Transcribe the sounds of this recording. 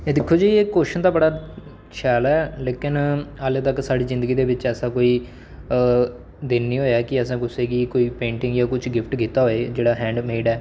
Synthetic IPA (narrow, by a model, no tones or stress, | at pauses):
eːd̪ɪkʰːoːd͡ʒaieːkoːʃənt̪aːbəɽaː | ʃʰɛːlɛːleːkɪnaːlet̪əksaːɽiːzɪ̃nd̪əɡiːd̪eːʋɪt͡ʃɛːsãːkoːiː | d̪ɪnːiːɦoːeɛːkɪəsãːkʊsẽːɡiːkoːiːpẽːɳʈɪ̃ŋɡjaːkʊt͡ʃʰɡɪpʰʈɡiːt̪aːɦoːeːd͡ʒeːɽaːɦɛ̃ːɳɖmeːɖɛː